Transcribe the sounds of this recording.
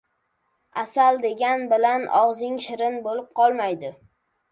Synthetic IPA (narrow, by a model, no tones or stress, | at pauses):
asald̪e̞ɡʲanbɪlanɒ̰ʁzɪŋʃɪɾɪnbolɪp̚qʰɒlˠmajd̪ɪ